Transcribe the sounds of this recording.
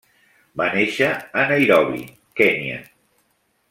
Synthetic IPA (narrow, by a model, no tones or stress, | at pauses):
baneʃəːnəjɾɔβḭ | kɛniə̰